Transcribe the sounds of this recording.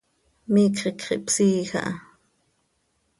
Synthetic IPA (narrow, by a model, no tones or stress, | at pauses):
miːkχikχḭʔpsiːxa̰ʔa̰